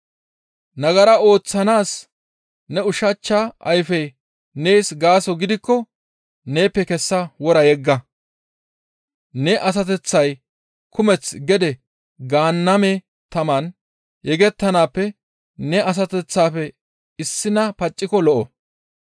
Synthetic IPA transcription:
nɐɡɐɾɐo̞ːt͡sːɐnaːs | nɛʊʃɐt͡ʃːaʔɐjfɛj | neːsɡaːsɔɡɪd̪ɪkːɔ | ne̞ːpːɛkɛsːɐwɔɾɐjɛɡːɐ | nɛʔɐs̬ɐt̪̬ɛt͡sːɐj | kʰʊmɛt͡sɡɛd̪ɛ | ɡaːnːɐmɛ | t̪ɐmɐn | jɛɡɛt̪ːɐnaːpːɛ | nɛɐs̬ɐt̪ɛt͡sːaːfɛ | ɪsːɪnɐpɐt͡ʃʼːɪkɔlɔʔɔ

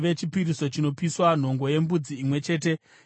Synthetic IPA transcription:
ʋe̞t͡ʃipiɾiso̞t͡ʃino̞piswan̤o̞ŋɡo̞je̞mbud͡ziːmwe̞t͡ʃe̞ːt̬e̞

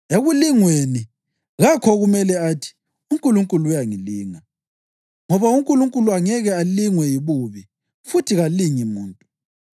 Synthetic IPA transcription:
eɣuliŋweni | ɣakʰɔɣumɛlɛatʰi̥ | uŋkʼuluŋkʼulujaŋiliːŋa | ŋɔβauŋkʼuluŋkʼuluaŋɛɣɛaliŋwɛjiβuβi | futʰiɣaliŋimuːntʼu

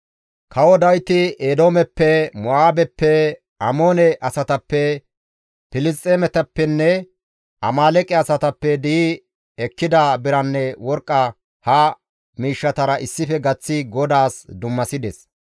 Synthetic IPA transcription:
kʰɐwɔd̪ɐjt̪ɪed̪o̞ːmɛpːɛmɔʔaːbɛpːɛ | ɐmoːnɛʔɐsɐt̪ɐpːɛ | pɪlɪs̬t̪ʼːeːmɛt̪ɐpːɛnːɛ | ʔɐ̰maːlɛkʼɛɐsɐt̪ɐpːɛd̪ɪ | ɛkːɪd̪ɐbɪɾɐnːɛwɔɾkʼːɐ | hɐ | miːʃːɐt̪ɐɾɐʔɪsːɪfɛɡɐt͡sːɪɡɔd̪aːsd̪ʊmːɐsɪd̪ɛs

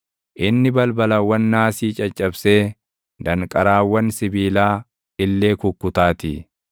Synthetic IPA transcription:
ʔɪnːɪbɐlbɐlɐwːɐnːaːsiːt͡ʃʼɐt͡ʃʼːɐbseː | d̪ɐŋkʼɐɾaːwːɐnsɪbiːlaː | ɪlːe̞ːkʊkːʊt̪aːt̪ḭ

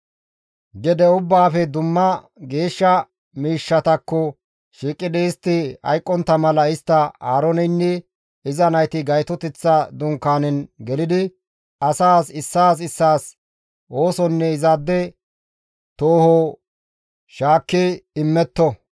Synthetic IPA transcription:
ɡɛd̪ɛʊbːaːfɛd̪ʊmːɐ | ɡe̞ːʃːɐ | miːʃːɐt̪ɐkːɔ | ʃiːkʼːɪd̪ɛɪst̪ːɪɐ̰jkʼːɔnt̪ːɐmɐlɐɪst̪ːɐaːɾɔnɛnːɪ | ɪzɐnɐjt̪ɪɡɐjt̪ɔt̪ɛt͡sːɐd̪ʊŋkːaːnɛnɡɛlɪd̪ɪ | ɐsaːsɪsːaːs̬ɪsːaːs | o̞ːsɔnːɛɪzaːd̪ːɛ | t̪oːhɔ | ʃaːkːɪɪmːɛt̪ːɔ

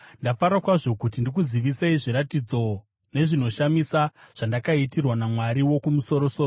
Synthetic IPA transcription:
ndafaɾakwaʐo̞kut̬indikuziʋiseiʐiɾatid͡zo̞ | ne̞ʐino̞ʃamisaʐ̥andakaitirwanamwaɾiwo̞kumuso̞ɾo̞soːro

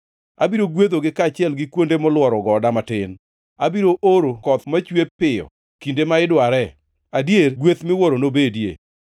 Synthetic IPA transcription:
a̰biɾoɡwet̪oɡɪkat͡ʃɪɛlɡɪkwondemɔlwɔɾɔɡɔdamatɪn | abiɾoʔoɾokɔt̪mat͡ʃwepɪɔ̰ | kindemaɪdwaɾɛ | adjeɾɡwet̪mɪwoɾonobedjḛ

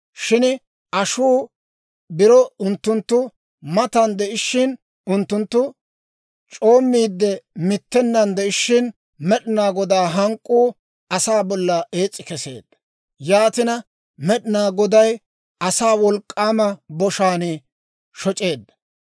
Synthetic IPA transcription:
ʃɪn | ʔɐʃuː | bɪɾɔʊnt̪ːʊnt̪ːʊ | mɐt̪ɐnd̪ɛʔɪʃːɪn | ʊnt̪ːʊnt̪ːʊ | t͡ʃʼo̞ːmːiːd̪ːɛmɪt̪ːɛnːɐnd̪ɛʔɪʃːɪn | mɛɗɪnaːɡɔd̪aːɦɐŋkʼːuː | ɐsaːbɔlːɐe̞ːt͡sʼːɪkɛse̞̰ːd̪ːɐ | jaːt̪ɪnɐ | mɛɗɪnaːɡɔd̪ɐj | ɐsaːwɔlkʼːaːmɐbɔʃaːnɪ | ʃɔt͡ʃʼe̞ːd̪ːɐ

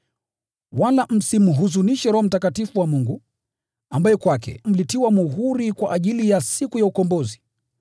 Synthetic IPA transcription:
walam̩simuɦuzuniʃɛɾɔhɔm̩takatifuwamuŋɡu | ambajɛkwakɛ̰m̩litiwamuɦuɾikwaʔaʄilijasikujaukɔmbɔzi

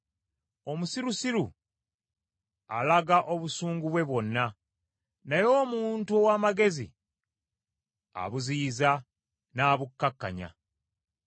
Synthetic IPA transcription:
o̞musiɾusiɾu | a̰laɡaʔo̞βusuːŋɡuβwe̞βwo̞nːa | najo̞ːmuːntuowaːmaɡe̞zḭ | a̰βuziːza | naːβukːakːa̰ɲa̰

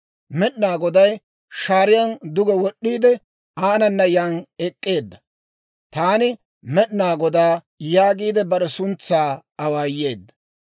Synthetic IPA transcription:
mɛɗnaːɡɔd̪ɐj | ʃaːɾɪjɐnd̪ʊɡɛwɔɗːiːd̪ɛ | aːnɐnːɐjanɛkʼːe̞ːd̪ːɐ | t̪aːnɪ | mɛɗnaːɡɔd̪aː | jaːɡiːd̪ɛbɐɾɛsʊnt͡sːaːɐwaːjːeːd̪ːɐ

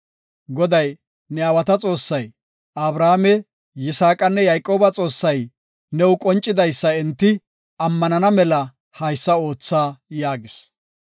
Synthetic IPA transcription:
ɡɔd̪ɐj | nɛawɐt̪ɐt͡sʼo̞ːsːɐj | ʔɐbɾaːmɛ | jɪsaːkʼɐnːɛjajkʼo̞ːbɐt͡sʼo̞ːsːɐj | nɛwʊkʼɔnt͡ʃʼːɪd̪ɐjsːɐɛnt̪ːɪ | ɐmːɐnɐnɐmɛlɐ | hɐjsːɐo̞ːt͡sːaːjaːɡɪs

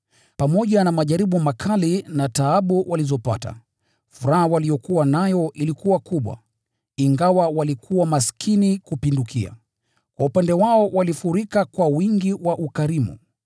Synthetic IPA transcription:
pamɔʄanamaʄaɾiɓumakʰalinataaɓuwʔalizɔpa̰ta̰ | fuɾahawalijɔkuwanajɔʔilikuwakuɓwa̰ | iŋɡawawalikʰuwamaskʰinikupindukʰia̰ | kwaupandɛwaɔwalifuɾikakwawiŋɡiwaʔukaɾimṵ

